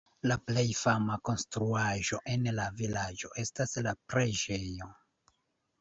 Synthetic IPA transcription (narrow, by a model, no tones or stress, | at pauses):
laple̞jfamako̞nstɾuaʒo̞ʔe̞nlavilad͡ʒo̞ʔe̞staslapɾed͡ʒe̞jo̞